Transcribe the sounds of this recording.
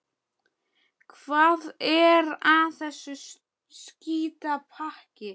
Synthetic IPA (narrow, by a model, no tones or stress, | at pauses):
kʰvaːðɛɾaθɛsːʏ | sciːt̪apʰahcɪ